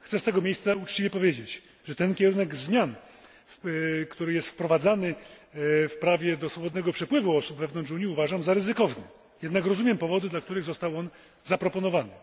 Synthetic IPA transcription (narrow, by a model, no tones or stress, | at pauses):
xt̪sɛst̪ɛɡɔmʲjejst̪saut͡ʂt͡ɕivʲjɛpɔvʲjed͡ʑet͡ɕ | ʐɛt̪ɛnkʲɛɾunɛɡzmʲjan | kt̪uɾɘjɛst̪fpɾɔvad̪zanɘ | fpɾavʲjɛd̪ɔsfɔbɔd̪nɛɡɔpʂɛpwɘvuɔsubvɛvnɔnt͡ʂuɲiuvaʐamzaɾɘzɘkɔvnɘ | jɛd̪nakɾɔzumʲjɛmpɔvɔd̪ɘd̪lak̚t̪uɾɘɣzɔst̪awɔn | zapɾɔpɔnɔvanɘ